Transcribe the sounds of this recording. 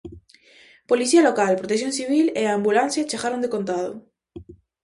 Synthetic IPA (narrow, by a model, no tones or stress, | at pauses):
poliθialokalpɾot̪es̬jonsiβ̞ileambulanθjat͡ʃeɣaɾond̪ekont̪aðo̰